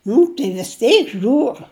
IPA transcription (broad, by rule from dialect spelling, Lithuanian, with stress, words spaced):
ˈnʊ tɐɪ ʋʲɪs ˈtʲɛɪk ˈʒʲuːr